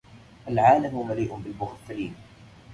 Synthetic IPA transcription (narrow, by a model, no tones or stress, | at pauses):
ʔalʕaːlamʊmaliːʔʊnbɪlbʊɣt̪ːaliːn